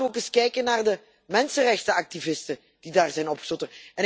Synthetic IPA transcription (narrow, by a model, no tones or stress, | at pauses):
oːkɪskɛjkənːaːrdə | mɛnsənrɛxtəɑk̚tivɪstə | d̥idaːrzɛjnɔpxəzɔtəɛnɪ